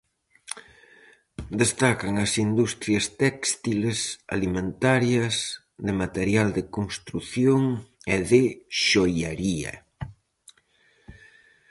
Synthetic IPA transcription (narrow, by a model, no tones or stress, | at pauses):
d̪est̪akɐŋɐsind̪ust̪ɾjɐst̪ɛkst̪ilesa̰limẽnt̪aɾjɐs | ðɪmat̪eɾjald̪ɪkoŋst̪ɾuθjoŋeðɪʃojaɾiɐ̰